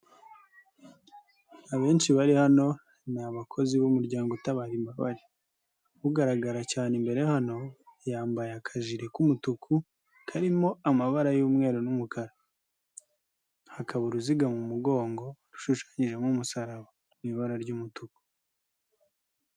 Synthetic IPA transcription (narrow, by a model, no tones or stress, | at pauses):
aβe̞ːnʃiβaɾihano̞ | naβakʰo̞ziβumuɾɟaːŋɡotaβaɾimbaβa̰ɾi | βuɡaɾaɡaɾacaːnembe̞ɾe̞hano̞jaːmbajakʰaʒiɾe̞kumutukʰu | kʰaɾimo̞amaβaɾajuːmŋe̞ːɾonumukaɾa | hakʰaβuɾuziɡamumuɡo̞ːŋɡo̞ɾu̥ʃuʃḁɲiʒe̞mumusaɾaβa | miβaɾaɾɟuːmutuku̥